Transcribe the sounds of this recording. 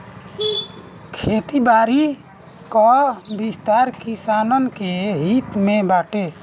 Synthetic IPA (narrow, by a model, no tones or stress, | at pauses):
kʰet̪ibaɾi | kɔbist̪aɾkisanɔnkeɦit̪mẽbaʈe